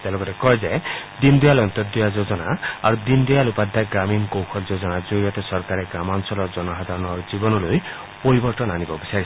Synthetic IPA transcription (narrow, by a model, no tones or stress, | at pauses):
t̪aloɡɔɾekɔɦed͡ʒajd̪ind̪ujalɔnt̪ɔd̪ujad͡ʒod͡ʒɔnaaɾud̪ind̪ujalupad̪ʱːaɡɾamiŋkowkʰɔld͡ʒod͡ʒɔnad͡ʒoɾiɔt̪ɔsɔɾkaɾeɡɾamansɔlɔd͡ʒɔnɔɦad̪ʱaɾɔnɔɾd͡ʒibɔnɔloj | pɔɾibɔɾt̪ɔnanibɔbisaɾis